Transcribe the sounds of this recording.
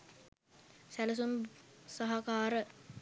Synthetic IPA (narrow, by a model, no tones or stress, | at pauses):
sæləs̬umsaɦakaːɾə